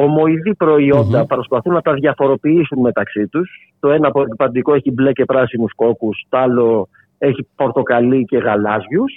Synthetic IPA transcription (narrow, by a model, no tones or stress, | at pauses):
o̞mo̞iðipɾo̞io̞nd̪ɐpɾo̞spɐθunːɐt̪ɐðʝɐfo̞ɾo̞piisunme̞t̪ɐksit̪us | t̪o̞e̞nɐpoepipɐnd̪iko̞eçible̞cepɾɐsinusko̞kust̪oɐlo̞ | e̞çipo̞ɾt̪o̞kɐlice̞ɣɐlɐzʝus